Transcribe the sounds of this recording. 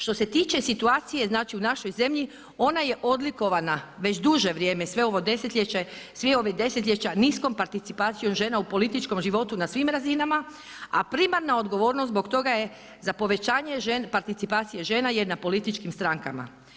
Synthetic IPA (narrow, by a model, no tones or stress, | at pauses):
ʃt̪o̞se̞t̪iːt͡ʃe̞sit̪uaːt̪sije̞znaːt͡ʃiunaʃo̞jze̞mʎi | o̞naje̞ʔo̞d̪liko̞ʋanaʋe̞t͡ʃd̪uʒe̞ʋɾje̞ːmesʋe̞o̞ʋo̞d̪e̞set̪ʎʲet͡ɕesʋeo̞ʋed̪e̞set̪ʎʲet͡ɕanisko̞mpaɾt̪it̪sipaːt̪sijo̞mʒeːnaupo̞lit̪it͡ʃko̞mʒiʋo̞t̪unasʋimɾazinama | apɾimaɾnao̞d̪ɡo̞ʋo̞ːɾnosbo̞kt̪o̞ɡaje̞ | zapo̞ʋe̞t͡ʃaːɲe̞ʒenpaɾt̪it̪sipaːt̪sije̞ʒe̞ːnajenapo̞lit̪it͡ʃkimst̪ɾaŋka̰ma̰